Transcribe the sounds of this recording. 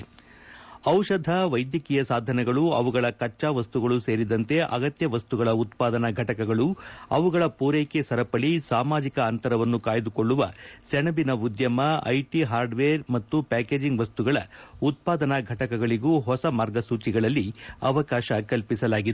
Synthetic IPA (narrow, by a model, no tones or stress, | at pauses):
ɐwʃɐd̪ʱɐʋɐjd̪jɐkijɐsaːd̪ʱɐnɛɡɐɭuɐʋuɡɐɭɐkɐt͡ʃːaʋɐst̪uɡɐɭuse̞ːɾid̪ɐnt̪e̞ʔɐɡɐt̪jɐʋɐst̪uɡɐɭɐut̪̚paːd̪ɐnɐɡʱɐʈɐkɐɡɐɭuɐʋuɡɐɭɐpuːɾeːkesɐɾɐpɐɭisaːmaːd͡ʒikɐːnt̪ɐɾɐʋɐnːukaːjd̪ukoɭːuʋɐ̰sɛɳɐbinɐud̪jɐmɐɐ̰jʈiɦaːɾɖʋeːɾmɐt̪ːupaːkeːd͡ʒiŋɡʋɐst̪uɡɐɭɐut̪̚paːd̪ɐnɐɡʱɐʈɐkɐɡɐɭiɡuːɦɔsɐmaːɾɡɐsuːt͡ʃiɡɐɭɐlːiɐʋɐkaːʃɐkɐlpisɐlaːɡid̪e